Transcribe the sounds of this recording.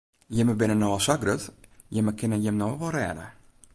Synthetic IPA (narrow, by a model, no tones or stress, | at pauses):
jəməbɪnənoəsaɡrətjəməkɪnəjəmnoʋɔlˠrɛ̰ːdə̰